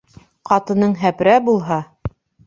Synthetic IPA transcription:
qɑt̪ɤ̆nɤɴɦæpɾæbulˠɦɑ

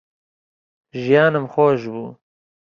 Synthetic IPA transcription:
ʒjɑːnamxoːʒbu

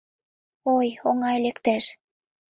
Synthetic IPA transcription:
ojoŋɑlekt̪æʃ

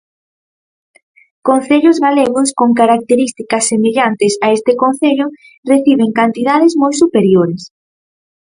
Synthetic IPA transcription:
kon̟θeʎʊzɣaleɣ̞ʊskoŋkaɾak̚t̪eɾist̪ikɐsːemeʎant̪ɪsaest̪ɪkon̟θeʎʊ | reθiβ̞eŋkant̪iðaðɪzmojsupeɾjoɾɪs

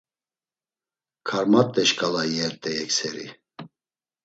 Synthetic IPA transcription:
kʰaɾmat̪ʼːɛʃkʼalajɛɾt̪ʼɛjɛksɛɾḭ

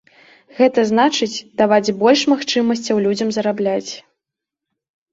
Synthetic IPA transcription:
ɣɛt̪ɐznat͡ʂɨt͡sʲd̪avad͡zʲbɔlʲʂmaxt͡ʂɨmɐsʲt͡sʲɐwlʲud͡zʲɐmzɐɾablʲat͡sʲ

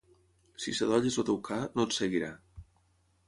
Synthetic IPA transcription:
sisəðɔʎezot̪ewkʰanot̪seɣiɾa

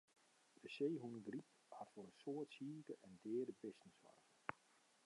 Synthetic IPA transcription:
d̥əseːɦunɡrip̚ | hatfoɾənsoːətsiːkəʔɛndɪːdəbɪstən̩sʋa̰rf

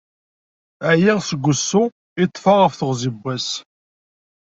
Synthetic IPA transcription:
æjiʁsəɡʷːʊsːʊ | it̪ˤːfɑʁəfθəʁzibʷːæs

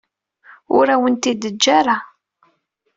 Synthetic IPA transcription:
ʊ̰ɾæwənt̪id̪əd͡ʒːaɾa

